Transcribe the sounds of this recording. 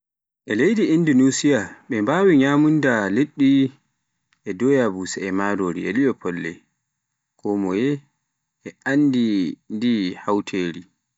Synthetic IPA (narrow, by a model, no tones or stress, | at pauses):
ʔɛlejdiindunusiaɓɛmbawiɲamundaleɗːi | ʔɛdɔjabusɛɛmaːdoːɾiɛ̰liɔpʰɔlːɛ̰ | kʰɔmɔjɛ | ɛʔandindihawtʰeɾi